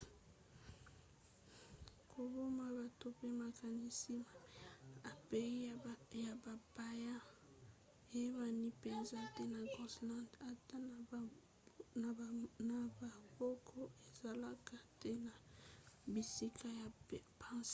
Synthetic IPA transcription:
kʰo˨bo˦ma˨ba˨to˨pe˦ma˨ka˨ni˦si˦a˨a˨pe˨i˦ja˨ba˨ba˨ja˦ | e˨je˦ma˨ni˦pe˨nza˦te˦na˨ɡɔ˨sla˦da˨ta˦ | a˨na˨ba˨bo˦kʰɔ˦e˨za˨la˦ka˨te˦na˨ | bi˨si˦kʰa˦ja˨˦pã˦s

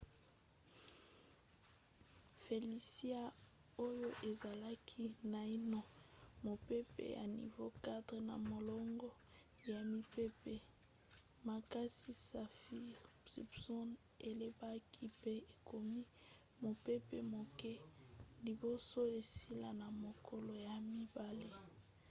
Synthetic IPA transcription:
fe˨li˨si˦a˦ | o˦jo˦ʔe˨za˨la˦kʰi˦na˨i˦nɔ˨mo˨pe˦pḛ˦ja̰˨nḭ˨vo˦ka˦dʁe˨na̰˨mo˨lɔ˦ŋɡɔ˦ | ja˨mi˦pe˦pe˦ | ma˨ka˦si˦sa˨fi˦sḭ˨bsɔ˦n | e˨le˦ba˦kʰi˦pe˦e˨ko˨mi˦ | mo˨pe˦pḛ˨mo˨kɛ˦li˨bo˦so˦e˨si˦la˨na˨mo˨kʰɔ˨lɔ˨ja˨mi˦ba˦le˦

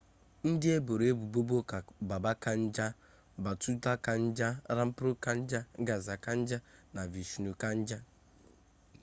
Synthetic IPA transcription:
n̩˦dɪ˦e˦bo˨ɾe˦bu˨bo˦bo˦ka˨ba˨ba˦ka˦n̩˦d͡ʒa˦ | ba˨tu˦ta˦ka˨n̩˦d͡ʒa˦ɾa˦m̩˦pɾʊ˦ka˦n̩˦d͡ʒa˦ɡa˨za˨ka˦n̩˦d͡ʒa˦na˨vi˨ʃu˨nu˨ka˦n̩˦d͡ʒa˦

